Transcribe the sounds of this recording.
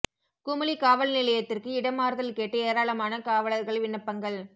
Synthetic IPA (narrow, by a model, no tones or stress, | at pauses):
kʊmɐlikaːʋɐlnɪlɐjɐt̪ːɪrkɯɪɽɐmaːɾðɐlkeːʈːɯeːɾaːɭɐmaːnɐkaːʋɐlɐɾɣɐɭʋɪɳːɐpːɐŋɡɐɭ